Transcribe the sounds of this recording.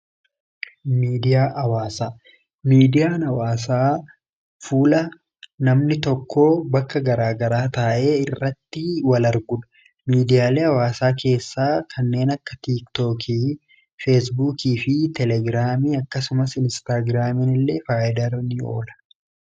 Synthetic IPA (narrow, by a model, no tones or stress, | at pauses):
miːd̪ɪjaːʔɐwaːsaː | miːd̪ɪjaːnɐwaːs̬aː | fuːlɐ | nɐmnɪt̪ɔkːoːbɐkːɐɡɐɾaːɡɐɾaːt̪aːʔe̞ːɪrːɐt̪ːɪwɐlɐɾɡʊᶑɐ̥ | miːd̪ɪjaːle̞ːɐwaːsaːke̞ːsːaːkʰɐnːe̞ːnɐkːɐ̥t̪iːkt̪oːkʰiː | fes̬buːkiːfɪt̪ɛlɛɡɾaːmiːɐkːɐsʊmɐsɪnst̪aːɡɾaːmɪnɪlːeːfaːjɪd̪ɐɾnɪo̞̰ːlɐ̥